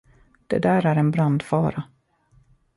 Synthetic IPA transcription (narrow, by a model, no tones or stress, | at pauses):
d̪̥ɛ̰d̪æːɾæɾɛnbɾand̪fɑːɾa